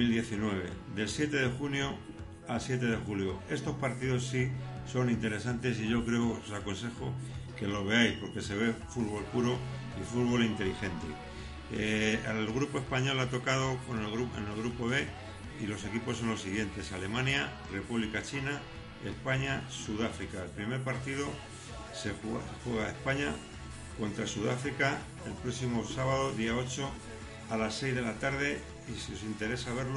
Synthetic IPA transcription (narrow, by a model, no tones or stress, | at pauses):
ild̪je̞θinwe̞β̞e̞̰ðe̞lsje̞t̪e̞ðe̞xunjo̞ | alsje̞t̪e̞ð̞e̞xuljo̞e̞st̪o̞spaɾt̪iðo̞sːiso̞nint̪e̞ɾe̞s̬ant̪e̞siʝo̞kɾe̞oosako̞ns̬e̞xo̞ke̞lo̞βe̞ajspo̞ɾke̞se̞β̞e̞fuðβ̞o̞lpuɾo̞ | ifuðβ̞o̞lint̪e̞lixe̞nt̪e̞̰ | lɣ̞ɾupo̞e̞spaɲo̞lat̪o̞kað̞o̞ko̞nɣuḛnelɣɾupo̞βe̞ | ilo̞se̞kipo̞sːo̞nlo̞siɣje̞nt̪e̞sale̞mãnja | re̞puβlikat͡ʃina | e̞̰spaɲasuðafɾikaelpɾime̞ɾpaɾt̪iðo̞ | sexweɣ̞aespaɲa | ko̞nt̪ɾasuðafɾika | e̞lpɾo̞ksimo̞saβaðo̞ðiao̞t͡ʃo̞ | alasːe̞jzðe̞lat̪aɾðe̞ | isio̞sint̪e̞ɾe̞saβ̞e̞ɾl